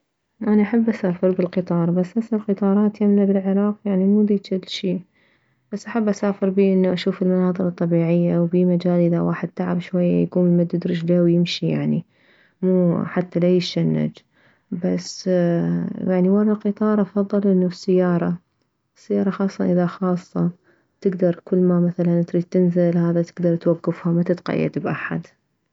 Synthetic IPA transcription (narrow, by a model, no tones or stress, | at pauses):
ʔanaʔaħabːʔasaːfɪɾbɪlqɨt̪ˤɑːɾˤbasːʔasalqɨt̪ˤɑːɾˤɑːt̪jamlabɪlʕɪɾˤɑːqjaʕnimuːd̪iːɪlʃiː | b̥asːʔaħabːʔasaːfɪɾbiːʔɪnːuʔaʃuːfɪlmanɑːðˤɨɾɨt̪ˤːɑbiːʕɪjːawbiːmad͡ʒaːlʔɪðawa̰ːħɪd̪̚t̪aʕabʃwajːa̰jaɡuːmmad̪ɪd̪ɾɪd͡ʒlahwjɪmʃija̰ʕni | muːħat̪ːalajɪʃanːa̰d͡ʒ | bas | jaʕniwɑɾˤɑlqɨt̪ˤɑːɾˤʔɑfɑðˤːɨlʔɪnːusːajːɑːɾˤɑ | sːajːɑːɾˤɑxɑːsˤːɑʔɪðaxɑːsˤːɑ | t̪ɪɡd̪ɑɾˤkɪlːmamaθalant̪ɾiːd̪̚t̪ɪnzɪlhaːðat̪ɪɡd̪ɑɾˤt̪waɡːɪfhamat̪ɪt̪qa̰jːa̰d̪bʔa̰ħa̰d̪